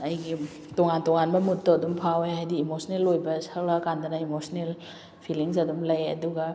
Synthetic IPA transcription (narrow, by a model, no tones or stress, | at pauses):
ɐjɡi | toŋantoŋanbɐmutːoɐdumpʰaweɦajdiːmosʰnelojbɐsɐklakandɐnɐimosnel | pʰiliŋs̬ɐdumlɐjɐ̰duɡɐ